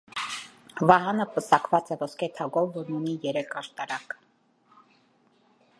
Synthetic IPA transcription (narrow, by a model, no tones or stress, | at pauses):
vɑɦɑnəpəsɑkvɑt͡sɛvɔskʰɛt̪ʰɑɡɔvːɔɾnunijɛɾɛkʰɑʃt̪ɑɾɑk